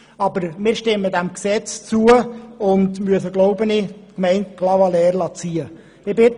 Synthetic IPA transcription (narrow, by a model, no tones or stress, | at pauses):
ɑbəɾmɪːɾʃtɪmːədæmksɛt͡st͡suəʊndmyəsəɡloʊbənɪkmɛɪnt̚klɑvɑlɛːɾlɑt͡siːə | ɪbɪt